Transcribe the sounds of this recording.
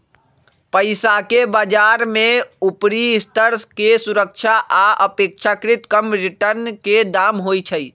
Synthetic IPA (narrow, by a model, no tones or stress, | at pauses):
pəɪsakebad͡ʒaɾmeupɾiːst̪əɾskesuɾək̚t͡ʃʰaʔaəpek̚t͡ʃʰakɾit̪kəmɾiʈəɾnked̪amɦojt͡ʃʰəj